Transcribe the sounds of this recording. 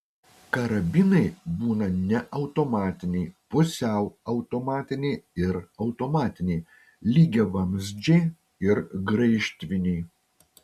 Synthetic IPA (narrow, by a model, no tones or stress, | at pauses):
kɐɾɐbʲɪnɐɪbuːnɐnʲɛʔɐʊt̪oːmɑːt̪ʲɪnʲɛɪpʊsʲɛʊɐʊt̪omɑːt̪ʲɪnʲeɪɪɾɐʊt̪omɑːt̪ʲɪnʲɛɪ | lʲiːɡʲɛʋɐmʲzʲd͡ʒʲeɪ | ɪɾɡɾɐɪʃʲt̪ʲʋʲɪnʲeɪ